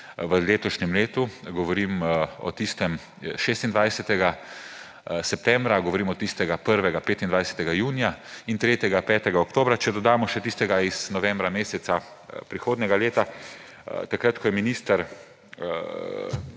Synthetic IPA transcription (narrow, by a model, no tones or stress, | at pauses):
ʋəleːt̪ɔʃnɛmleːt̪uɡɔʋɔɾimɔ̰t̪ist̪ɛm | ʃeːst̪ind̪ʋajsɛt̪ɛɡa | sɛp̚t̪ɛ̃mbɾaɡɔʋɔɾiːmɔt̪ist̪ɛɡapəɾʋɛɡapeːt̪ind̪ʋajsɛ̥t̪ɛɡajuːnijaint̪ɾeːt̪jɛɡapɛːt̪ɛɡaɔkt̪oːbɾat͡ʃɛd̪ɔd̪aːmɔʃɛt̪ist̪ɛɡaiz̥nɔʋɛ̃mbɾameːsɛt̪sa | pɾixoːd̪nʲɛɡaleːt̪a | t̪akɾat̪kʰɔjɛminiːst̪aɾ